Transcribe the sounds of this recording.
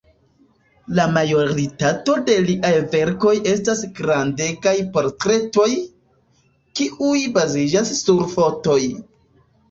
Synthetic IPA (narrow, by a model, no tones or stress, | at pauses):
lamajo̞ɾitato̞de̞liʔajve̞ɾko̞jʔe̞stasɡɾande̞kajpo̞ɾtɾe̞to̞j | kiʔujbazid͡ʒasːuɾfo̞to̞j